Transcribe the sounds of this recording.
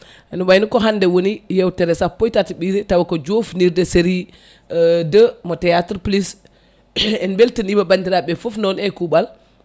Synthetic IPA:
ʔɛnubajnukɔɦandɛwonijɛwtɛɾɛsapːɔjtatiɓiɾitawakɔd͡ʒofniɾdɛseɾi | dəmɔtɛjatɾplis | ɛnbɛltənibabandiɾaɓɛfɔfnɔnɛkubal

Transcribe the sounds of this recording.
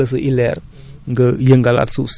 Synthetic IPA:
əs̬əʔilɛɾ | ŋɡəjəŋɡala̰tsus

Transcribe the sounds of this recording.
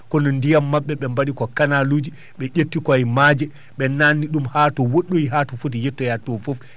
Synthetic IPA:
kɔnɔndijamːaɓːɛɓɛmbaɗikɔkanaluːd͡ʒi | ɓɛʔetːikɔajmad͡ʒɛ | ɓɛnanːiɗumhaːtɔwoɗːoiɦatɔfotijɛtːɔjatɔfɔf

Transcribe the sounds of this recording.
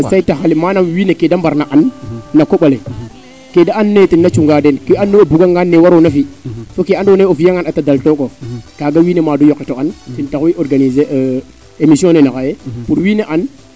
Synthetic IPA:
saitaxalimanamwinekedambaɾnaʔanːakːoɓale | kedaanːetinːat͡ʃuŋɡadenkianːeobuɡaŋɡanːewaɾonafisokiandoneofjeŋanatadaltokokaɡawinemadujokːitoantintakiʔoɾɡanizeʔ | emisiõnenakajepuɾwineʔan

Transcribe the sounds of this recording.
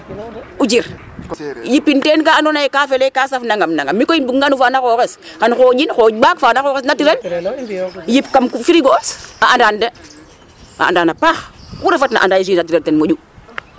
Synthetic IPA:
ud͡ʒiɾ | jipːintenkaandonajekafelekasafnaŋɡamnaŋɡamːikoinbukŋɡanufaːnakoːkes | xanxoːd͡ʒinxoɟbakfaːnaxoɣes̬natiɾen | jipkamkufiɾiɡoosaandande | a̰a̰ndanapaxkuɾefatna̰ʔa̰ndajis̬inatiɾentenmod͡ʒu

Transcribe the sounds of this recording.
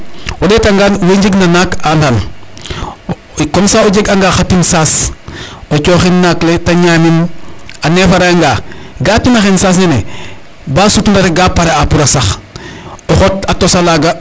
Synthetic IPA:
wadeːtaŋɡaːnweɲɟiɡnanakandan | konsaoɟeɡaŋɡaːxatinsas | ot͡ʃoːxinːakletaɲaːminanefaɾaaŋɡaɡatinaxinsas̬nenḛ | baːsutundaɾeɡaːpaɾeapuɾasax | oxotatosalaɡa

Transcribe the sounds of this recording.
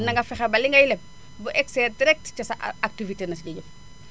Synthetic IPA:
nɐŋɡɐfɛxɐbɐliŋɡɐjlɛp̚ | buʔɛksɛːdiɾɛk̚tcɐsɐak̚tivitenɐsɟɐɟəp

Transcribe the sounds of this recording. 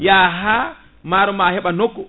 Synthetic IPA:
jaɦa | maɾɔmahɛɓanokːɔ

